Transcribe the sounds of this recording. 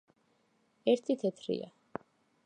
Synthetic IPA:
ɛɾt̪ʰit̪ʰɛt̪ʰɾḭa̰

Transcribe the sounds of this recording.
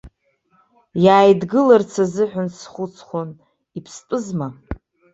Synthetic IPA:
jaːjdɡɨlart͡sʰazɨħʷᶣʊnsχʷʊt͡sʰχʷon | ipʰstʼɨzma

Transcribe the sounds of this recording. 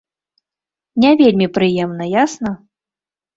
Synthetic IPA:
nʲɛvʲelʲmʲipɾɨjɛmnɐjasnɐ

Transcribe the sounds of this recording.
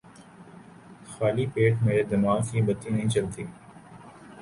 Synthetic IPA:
xaːlipeːʈʰmeːɾed̪ɐmaːzibɐt̪inɦĩt͡ʃɐlt̪iː

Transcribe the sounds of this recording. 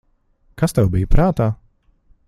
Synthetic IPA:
kast̪ɛwbijpɾaːt̪aː

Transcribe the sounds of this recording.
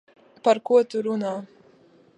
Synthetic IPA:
paɾkuɔt̪uɾunaː

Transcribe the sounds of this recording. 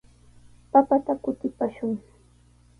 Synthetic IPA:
papat̪akʊt̪ɪpaʃʊŋ

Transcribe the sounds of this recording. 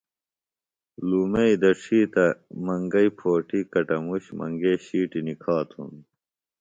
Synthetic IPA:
luːmeid̪ɐʈ͡ʂʰiːt̪ɐmɐŋɡɐipʰoːʈikɐʈɐmuɕmɐ̰ŋɡeːɕiːʈinikʰaːt̪ʰṵn

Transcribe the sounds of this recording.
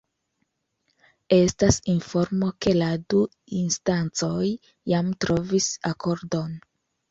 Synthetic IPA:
e̞stasinfo̞ɾmo̞ke̞ladu | instant͡so̞jː | amtɾo̞visakʰo̞ɾdo̞n

